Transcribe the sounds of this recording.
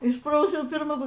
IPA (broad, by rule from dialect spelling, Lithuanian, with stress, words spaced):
ˈɪʃprɐʊsʲɛʊ pʲɪrˈmɐ